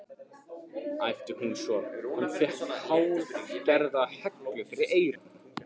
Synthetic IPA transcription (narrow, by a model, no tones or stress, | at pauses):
ajft̪ɪhunsɔhunfɪhhaːwcɛɾðahɛknɔklɪfɪɾɪɾʔeːjɾʏ